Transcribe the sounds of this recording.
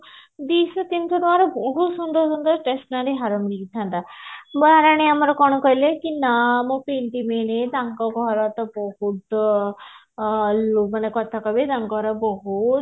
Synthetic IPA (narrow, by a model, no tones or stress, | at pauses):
d̪isɔt̪int̪ʰɔɾmaɾɔbɔɦut̪sund̪ɔɾsund̪ɔɾʈesʈnaɾeɦaɾɔmiliɡit̪ʰant̪abəɦaɾaɽ̃iamaɾɔkɔɽ̃ɔkɔjlekinamopeɳʈimened̪aŋkɔɡɔɾat̪ɔbɔɦut̪ | lumanekɔt̪ʰakɔbed̪aŋkɔɾɔbɔɦu